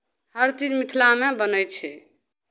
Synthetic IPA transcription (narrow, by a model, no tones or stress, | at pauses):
həɾt̪inmit̪ʰlamebənəjt̪̚t͡ʃʰɛ